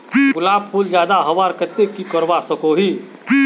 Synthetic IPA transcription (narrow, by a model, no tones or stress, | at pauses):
ɡʊlabpʰuld͡ʒjaːd̪aɦəʋaɾkət̪ekikəɾbasəkoɦi